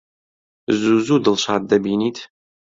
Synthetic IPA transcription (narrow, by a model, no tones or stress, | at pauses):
zuːzuːdɨlɕaːt̚d̪ɐbiːniːtʰ